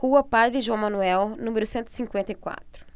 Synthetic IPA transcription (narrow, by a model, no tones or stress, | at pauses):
huɐpad̪ɾɪʒuɐ̃w̃mãnuɛwnũmeɾʊsẽnt̪ɪ̥sĩŋkwẽnt̪ɐikwa̰t̪ɾʊ̥